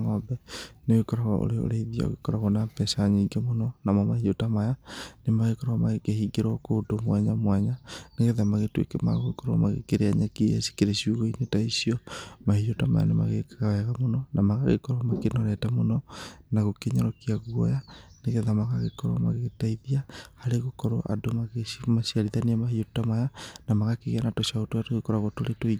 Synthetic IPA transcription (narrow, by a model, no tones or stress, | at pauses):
ŋɔbɛneɣekɔɾaɣɔ̰ʔo̰ɾeo̰ɾeiðja̰o̰ɣekɔɾaɣɔnapɛsaɲeŋɡɛmonɔnamɔmahiotamajanemaɣekɔɾaɔmaɣekehiɡeɾwɔkoːdomwɛɲamwɛɲaneɣeðamaɣetwḛkɛmaɣoekɔɾɔmaɣḛkeɾeaɲakijasi̥keɾesiuɣoinetaisiɔmahiotama̰ja̰nema̰ɣeawɛɣamonɔnamaɣaɣḛkɔɾwamakenɔɾɛtamonɔnaɣokeɲɔɾɔkiaɣwɔjaneɣeðamaɣaɣekɔɾwamaɣeɣetaiðiahaɾeɣokɔɾoʔa̰domaɣemaʃiaɾiðaneɛmahiotamajanamaɣakeɣeanatoʃaotoatoɣekɔɾaɣotoɾetoi